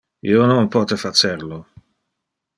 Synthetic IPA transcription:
iːonompɔːt̪efat͡ʃerlo

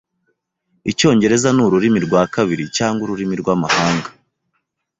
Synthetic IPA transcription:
ico̞ːɲɟe̞ɾe̞zanuɾuɾimiɾɡwaːkaβiɾicaːŋɡuɾuɾimiɾɡwaːmahaːŋɡa

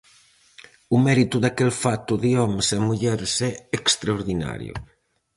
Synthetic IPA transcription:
ʊmɛɾit̪ʊðakelfat̪ʊðiɔmsemuʎɛɾsɛekst̪ɾaoɾðina̰ɾj̰ʊ̰

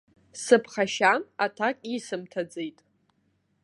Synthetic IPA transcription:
sɨpʰχaʃanatʰakʼisɨmtʰad͡zejtʼ

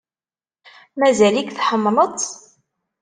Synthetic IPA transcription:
mæzælikθħəmːlət͡s̪ˤ

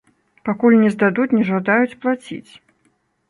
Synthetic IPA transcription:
pakulʲnʲɛzd̪ad̪ut͡sʲnʲɛʐad̪ajut͡sʲplˠat͡sʲḭt͡sʲ

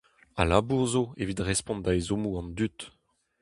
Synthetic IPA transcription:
a̰labuʁzoevid̪ʁɛspɔ̃nd̪aezomuɑ̃nd̪yt̪

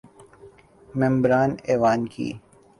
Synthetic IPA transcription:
mɛ̃mbɾaːneːʋaːnkʰḭː

